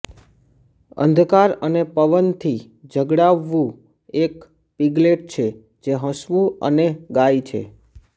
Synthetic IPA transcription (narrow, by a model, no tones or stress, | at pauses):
ə̰nd̪ʱkaɾənepəʋənt̪ʰi | d͡ʒʱəɡɽaʋːũ | ek | piɡleʈ̚t͡ʃʰe | d͡ʒeɦə̃sʋũə̰neɡait͡ʃʰḛ